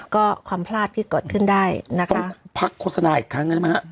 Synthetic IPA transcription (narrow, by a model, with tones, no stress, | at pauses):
kɔː˥˩kʰwaː˧mpʰlaː˥˩t̪̚ʰiː˥˩koː˨˩t̪̚kʰɯ˥˩ndaː˥˩jna˦˥kʰa˦˥pʰa˦˥kʰːoː˥˩t̪̚sa˧naː˧ʔiː˨˩kʰːɾa˦˥ŋːə˧˩˥ma˦˥ha˦˧˥